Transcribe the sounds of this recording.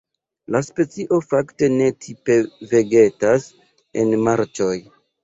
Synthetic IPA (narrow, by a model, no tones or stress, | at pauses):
laspe̞t͡siʔo̞fakte̞ne̞tʰipe̞ve̞ɡe̞tas | ḛnmaɾt͡ʃo̞j